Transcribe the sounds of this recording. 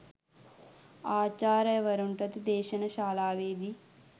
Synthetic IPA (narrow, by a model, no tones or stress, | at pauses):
aːt͡ʃaːɾɐʋɐɾuɳʈɐd̪id̪ɛːʃɐnɐʃaːlaːʋeːd̪i